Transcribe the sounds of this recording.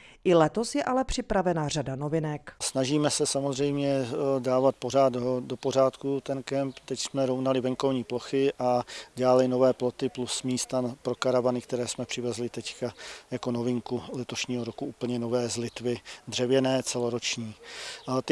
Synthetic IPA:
ʔɪlɛt̪osjɛʔalɛpr̝̥ɪpɾavɛnaradanovɪnɛksnaʒiːmɛsɛsamozrɛjmɲɛdaːvat̪̚por̝aːd̪do̞po̞r̝aːt̪kut̪ɛnkɛmpt̪ɛcsmɛɾownalɪvɛŋko̞vɲiːplo̞xɪʔadaːlɪno̞vɛːplo̞t̪ɪplusmiːst̪anpɾo̞kaɾavanɪk̚t̪ɛɾɛːsmɛpr̥ɪvɛzlɪt̪ɛckajako̞novɪŋkulɛt̪o̞ʃɲiːɦoɾokuʔuːpl̩ɲɛno̞vɛːzlɪt̪vɪd̪r̝ɛvjɛnɛːt͡sɛloɾot͡ʃɲiːt̪ɪ

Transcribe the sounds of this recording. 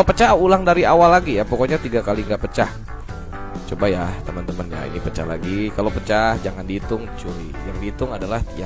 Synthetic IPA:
opət͡ʃaulaŋdaɾiawalːaɡijapɔkɔɲat̪iɡakaliŋɡaʔpət͡ʃah | t͡ʃobajat̪əmənt̪əmənja̰ḭnipət͡ʃa̰hla̰ɡikalopət͡ʃahd͡ʒaŋandit̪ʊŋt͡ʃuɾijaŋdit̪ʊŋadalahja

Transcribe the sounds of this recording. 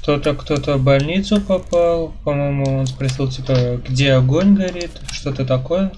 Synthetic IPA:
kt̪o̞t̪əkt̪o̞t̪əbɐlʲnʲit̪sʊpɐpalˠpɐmo̞jmʊonspɾɐsʲilˠtʲipəɡdʲeɐɡo̞nʲɡɐɾʲit̪ʂt̪o̞t̪ət̪ɐko̞jə

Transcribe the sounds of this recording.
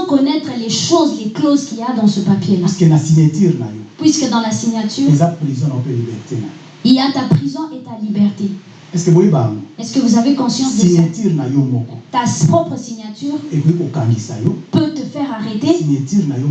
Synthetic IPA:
kɔnɛt̪χəleʃozleklozkʲiliad̪ɑ̃səpapjelaskenasiɲat̪iʁna̰jopwiskəd̪ɑ̃lasiɲat̪yːʁezapʁizɔ̃nãpelibɛʁt̪ena̰j | iljat̪apχizɔ̃ʔet̪alibɛʁt̪e | ɛskəbojebanuɛskəvuzavekɔ̃sjɑ̃s̬d̪iɲat̪iʁnajomɔkɔ̥t̪aspχɔpχəsiɲat̪yːʁekoikokãŋɡisa̰jopøt̪əfɛʁaʁet̪esiɲat̪yʁnajo

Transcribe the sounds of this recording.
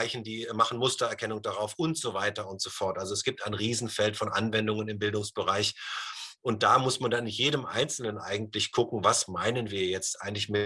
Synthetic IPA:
ɪçn̩diːmaχn̩mʊstɐɛɐkʰɛnʊŋd̥aʁaʊfʔʊntz̥ovaɪtɐʊntz̥ofɔɐtʔalzoɛsɡ̥iːp̚taɪnʁiːzn̩fɛltfɔnʔa̰nvɛndʊŋənɪmbɪldʊŋsb̥əʁaɪç | ʔʊnt̚d̥aːmʊsmandanjeːdəmʔa̰ɪnt͡sl̩nənʔa̰ɪɡŋ̩tlɪçkʰʊkŋ̩vasmaɪnənviːɐjɛt͡stʔa̰ɪɡŋ̩tlɪçmɪ

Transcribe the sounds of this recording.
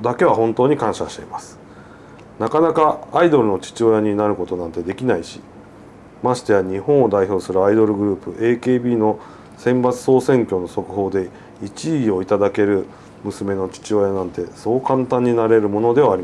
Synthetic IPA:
d̪ake̞βaɦõ̞nt̪o̞ːɲ̟ikãɰ̃ɕaɕi̥t̪e̞̰imasɨ̥ | nakanakaːid̪o̞ɾɯ̟no̞t͡ɕi̥t͡ɕio̞jaɲ̟inaɾɯ̟ko̞t̪o̞nãnt̪e̞d̪e̞kʲinaiɕi̥ | maɕi̥t̪e̞aɲ̟ihõ̞ɰ̃o̞d̪aiço̞ːsɨɾɯ̟aid̪o̞ɾɯ̟ɡɯ̟ɾɯ̟ːpɯ̟ʔe̞ːke̞ːbʲiːno̞ | sẽ̞mbat͡sɨ̥so̞ːsẽ̞ŋkʲo̞no̞so̞kɯ̟ɦo̞ːd̪e̞ | it͡ɕiio̞it̪ad̪ake̞ɾɯ̟ | mɯ̟sɨme̞no̞t͡ɕi̥t͡ɕio̞janãnt̪e̞so̞ːkãnt̪ãɲ̟ːinaɾe̞ɾɯ̟mo̞no̞d̪e̞β̞aːɾʲim

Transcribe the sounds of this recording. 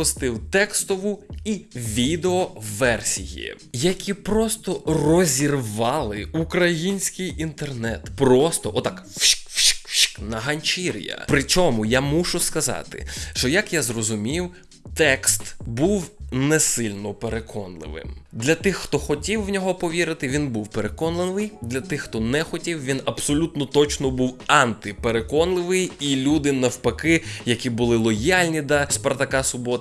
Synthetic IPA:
ʊst̪ɪwt̪ɛkst̪ɔʋʊiʋʲid̪eɔʋɛrsʲḭjḭ | jɐkʲipɾɔst̪ɔrɔzʲirʋɑlˠɪukɾɐjinʲsʲkɪjint̪ernɛt̪pɾɔst̪ɔʔɔt̪ɑkfʃkfʃkfʃknɐɦɐnʲt͡ʃiɾʲjɐ̰pɾɪt͡ʃɔmʊjamuʃʊskɐzɑ̰t̪ɪ̰ʃt͡ʃɔjɐkjazrɔzʊmʲiw | t̪ɛkst̪buwnɛsɪlʲnɔpeɾekʰɔnlˠɪ̰ʋɪ̰md̪lʲɐt̪ɪxːt̪ɔxɔtʲiwːnʲɔɦɔpɔʋʲiɾɪt̪ɪʋʲinbuwpeɾekɔnlˠɪnɪjd̪lʲɐt̪ɪxxt̪ɔnɛxɔtʲiwʋʲinɐbsɔlʲut̪nɔt̪ɔt͡ʃnɔbuwɑnt̪ɪpeɾekɔnlˠɪʋɪjilʲud̪ɪnɐwpɐkɪjɐkʲibʊlˠɪlˠɔjalʲnʲid̪ɐspɐɾt̪ɐkɑsʊbɔt̪

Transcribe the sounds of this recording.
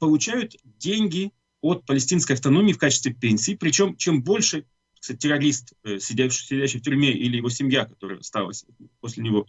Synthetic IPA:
pəlˠʊt͡ɕæjʊt̪ | dʲenʲɡʲɪ | o̞t̪̚pəlʲɪsʲtʲinskəjɐft̪ɐno̞mʲɪːfkat͡ɕɪst̪vʲɪpʲenʲsʲɪːpɾʲɪt͡ɕo̞mt͡ɕe̞mbo̞lʲʂɨ | ksat̚ʲtʲːɪɾɐɾʲist̪əsʲɪdʲæɕsʲɪdʲæɕːɪjftʲʊɾʲmʲe̞ʔilʲɪjɪvosʲɪmʲjakɐt̪o̞ɾɨ̰jə̰st̪a̰lˠə̰sʲposʲlʲɪnʲɪvo̞

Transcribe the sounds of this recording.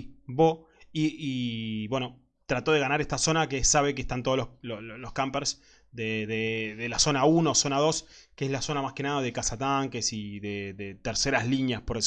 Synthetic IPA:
bo | iiβwe̞no | t̪ɾat̪o̞ðeɣanaɾeht̪aso̞nakesaβek̬eht̪ant̪oololololo̞hkampeɾs | ðeðeðelaso̞naunoso̞naðo̞skeeslaso̞namaske̞naðaðekasat̪aŋkesiðeðet̪eɾseɾazliɲjaspoɾe

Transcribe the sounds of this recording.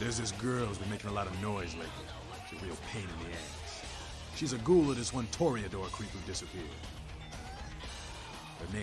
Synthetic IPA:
ɾɨzðɪs̬ɡɜ˞lˠzwɨ̃meɪkɪ̃ŋəlɑɾʌvnɔɪzlaɪk̚ɨ | t͡ʃɨɹilˠpʰẽɪ̃nɨ̃nðiɛ̃nz̥ | ʃizɨɡulˠəðɨswʌ̃ntʰɔɹiɨdɔɹkʰɹ̥ipidɪsɨpʰɪɹ | hə˞nẽ

